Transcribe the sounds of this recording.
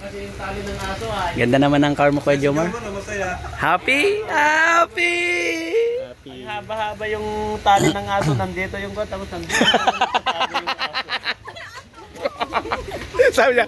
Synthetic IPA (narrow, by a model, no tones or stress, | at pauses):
kɐsɛjʊŋt̪aːlɪnɐŋaːsoɡɐnd̪anɐmanɐŋkaɹmokwɛd͡ʒomamɐsɐjahaːpihahapi | haːbɐhaːbɐjʊŋt̪aːllɪnɐŋaːsonɐnd̪iːt̪ojʊŋbɐt̪amʊsɐnd̪ | saːbɪɲa